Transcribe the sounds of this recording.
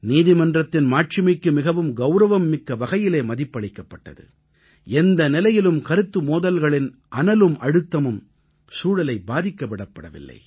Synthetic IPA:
niːðɪmɐndrɐt̪ːɪnmaːʈ̚t͡ʃɪmɐɪkːɯmɪɣɐʋɯmɡɐʊɾɐʋɐmːɪkːɐʋɐɣɐjɪleːmɐðɪpːɐɭɪkːɐpːɐʈːɐ̰ðɯ̰ | ɛnd̪ɐnɪlɐjɪlɯmkɐɾɯt̪ːɯmoːðɐlɣɐɭɪnʔɐnɐlɯmʔɐɽɯt̪ːɐmɯm | suːɽɐlɐɪbaːðɪkːɐpːɐɽɐpːɐɽɐʋɪ̰lːɐ̰ɪ

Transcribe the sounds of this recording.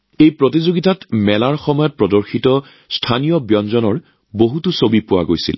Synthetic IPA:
ejpɹot̬izoɡitatmɛlaɹxɔmɔjɔt̚pɹɔdɔɹxitɔ | stʰanijɔbjɔnzɔnɔɹ | boɦutusobipʊwa̰ɡojsḭl

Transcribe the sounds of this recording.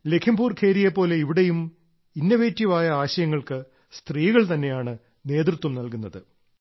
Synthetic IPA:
le̞kʰimbuːrkʰe̞ːɾijepːo̞ːle̞iʋiɽe̞jum | inːɐʋeːtːiʋaːjɐaːɕɐjɐŋːɐɭkɨ | st̪riːɣɐɭt̪ɐnːe̞jaːɳɨ | ne̞ːt̪rɨt̪wɐmnɐlkunːɐðɨ

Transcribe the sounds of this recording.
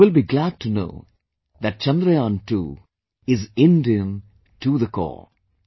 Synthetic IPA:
ɪlˠbiɡlæd̚ʈʰuno̰ʊː | ðæʈ̚t͡ʃʌ̃nd̪ɾəjãːnʈʰṵː | ɪzɪ̃ndiə̃m | ʈʰuðəkʰɔ̰ː

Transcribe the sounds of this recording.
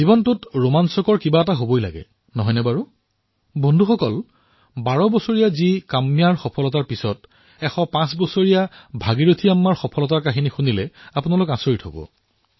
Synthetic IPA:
zibɔntʊtɹomansɔkɔɹkibaɛtaɦobojla̰ɡɛ̰ | nɔɦɔjnɛbaɹu | bɔndʱuxɔkɔl | baɹɔbɔsoɹijazikamːijaɹxɔpʰɔlɔtaɹpisɔt | ɛxɔpãsbɔsoɹijabʱaɡiɹotʰiamːaɹxɔpʰɔlɔtaɹkaɦinixunilɛapʊnalʊkãsoɹitho̰bɔ̰

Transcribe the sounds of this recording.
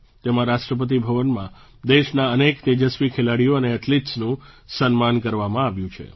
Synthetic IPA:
t̪emãɾaʃʈɾəp̬ət̪̬ibʱəʋənmã | d̪eʃnaənekt̪ed͡ʒəsʋikʰelaɽijoəneːʈliʈsnũ | sənmankəɾʋamãaʋjũt͡ʃʰḛ

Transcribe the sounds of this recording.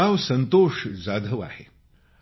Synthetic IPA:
awsənt̪oʂd͡zad̪ʱəʋa̰hḛ

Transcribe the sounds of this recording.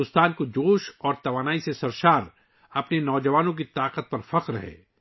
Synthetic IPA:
ʊst̪aːnkod͡ʒoːʃɔːɾt̪ɐʋaːnaːisesɐɾʃaːɾ | ɐpnenɔːd͡ʒɐʋaːnõk̬it̪aːqət̪̚pɐɾfɐqɾɦɛ̰ː

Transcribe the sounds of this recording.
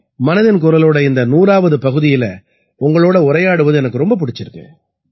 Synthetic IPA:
mɐnɐðɐnkʊɾɐloːɽɐɪnd̪ɐnuːɾaːʋɐðɯpɐɣɯðɪjɪlɐ | ʊŋɡɐɭoːɽɐʊɾɐjaːɽɯʋɐðɯɛnɐkːɯɾɔmbɐp̬ʊɽɪt͡ʃːɪɾɯkːɯ̰

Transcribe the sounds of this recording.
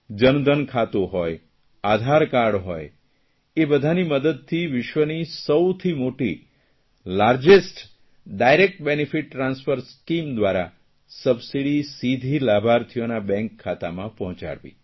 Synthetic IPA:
d͡ʒənd̪ənkʰat̪oɦɔj | ad̪ʱaɾkaɾɽɦɔj | ebəd̪ʱaniməd̪əd̪̚t̪ʰiʋɪʃʋənisəwt̪ʰimoʈi | laɾd͡ʒesʈ | ɖajɾek̚ʈ̚bɛnifiʈːɾãnsfəɾskimd̪ʋaɾa̰ | səbsiɽisid̪ʱilabʱaɾt̪ʰijonabɛ̃ŋkʰːat̪amãpɔɦɔ̃t͡ʃa̰ɽʋḭ

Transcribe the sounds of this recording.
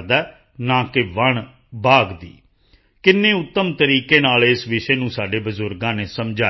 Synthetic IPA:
d̪aː | nãːkɪʋəɳ | baːɡd̪ḭː | kɪnːẽːʊt̪ːəmt̪əɾiːkeːnaːleːsʋɪʃeːnũːsaːɖeːbəzʊɾɡãːneːsəmd͡ʒaː

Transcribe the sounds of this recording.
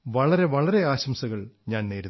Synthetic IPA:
ʋɐɭɐɾe̞ʋɐɭɐɾe̞aːɕɐmsɐɣɐɭɲaːnneːɾu

